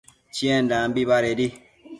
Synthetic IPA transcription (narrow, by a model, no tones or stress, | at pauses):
t͡ʃiɛndãmbibaɾedi